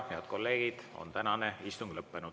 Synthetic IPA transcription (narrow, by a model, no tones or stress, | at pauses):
heɑd̪̥̚ko̞lːe̞ːɡ̥id̪̥o̞̰nt̪ænɑneist̪uŋɡ̥lɤpːe̞nud̥̪